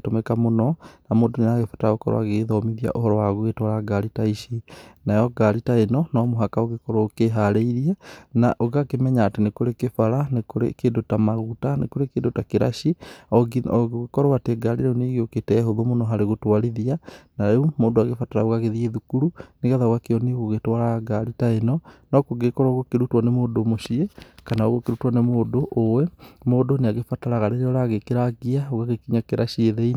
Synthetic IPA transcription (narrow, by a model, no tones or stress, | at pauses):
tomɛkamonɔnamoːndoneaɣefḁtaaɣokɔ̰ɾɔ̰a̰ɣeðɔmiðia̰ʔohɔɾɔwaɣoɣetwaɾaɡaɾitaiʃinajɔɡaɾitaenɔnɔːmoɦakaoɣekɔɾookeɦaɾeiɾianaʔoɣakemɛɲaːtenekoɾekefaɾanekoɾḛkedotamaɣutanḛkoɾekedotakeɾaʃiɔɔɣoɣekɔɾowateɡaɾiɾɛuneɣeoketɛɦoðomonɔɦaɾeɣotwaɾiðianaɾɛumoːdoaɣefataɾaoɣaɣeðieðukuɾuneɣaðaoɣakeɔneɣoɣetwaɾaɡaɾitaenɔnɔkoɡekɔɾaɣokeɾutwanɛmoːdomoʃiekanaoɣokeɾutwanɛmoːdoʔowɛmoːdoneaɣefataɾaɣaɾeɾeɔɾaɣekeɾaɡiaoɣaɣekiɲakeɾʔaʃieðei